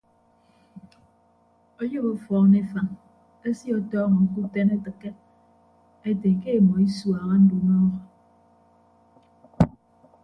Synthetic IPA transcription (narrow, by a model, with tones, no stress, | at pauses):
ɔ˦jo˦bɔ˦fɔː˨˦ŋne˦fa˨ŋ | e˦si˦ɔ˦tɔː˦ŋɔ˨ŋ̩˦ku˦te˦ne˦tɨ˨kːe˦ | e˦te˨ke˦e˨mɔ˨i˦swa˨ɣa˦n̩˦du˨nɔ˦ɣɔ˨